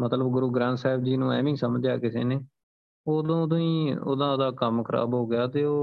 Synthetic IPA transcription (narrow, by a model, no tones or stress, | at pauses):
mət̪ləbɡʊɾuːɡɾãːnt̪saːɪbd͡ʒiːnũːɛ̰ːʋɪ̃ːsəməd͡ʒaːkɪsḛːneː | oːd̪õːd̪õːĩːo̰ːd̪ãːd̪aːkəmkʰəɾa̰ːbɦoːɡɪjaːt̪eːoː